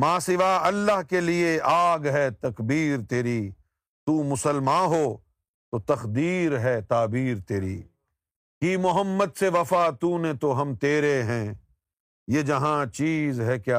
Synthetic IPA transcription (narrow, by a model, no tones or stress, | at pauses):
mãːsɪʋaːɐlːaɦkelieaːɡɦɛt̪ɐkbiːɾt̪eːɾiː | t̪uːmʊsəlmãːɦoː | t̪ot̪ɐxd̪iːɾɦɛt̪aːbiːɾt̪eːɾḭː | kiːmʊɦəmːəd̪seʋɐfaːt̪uːnẽt̪oɦɐmt̪eːɾeɦɛ̃ː | jed͡ʒɐɦãt͡ʃiːzɦɛkjaː